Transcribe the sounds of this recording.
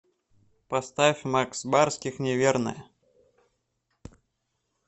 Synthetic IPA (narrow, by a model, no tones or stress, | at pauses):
pɐst̪afʲmaksbarskʲɪxnʲɪvʲernə̰jə